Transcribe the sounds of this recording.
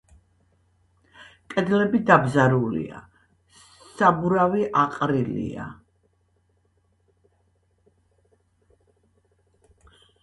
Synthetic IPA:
kʼɛd̪lɛbid̪abzaɾulḭa̰ | sabuɾaviʔaqʼɾilḭa̰

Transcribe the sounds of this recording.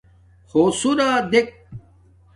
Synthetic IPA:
xoːsuɾaːd̪ek̚

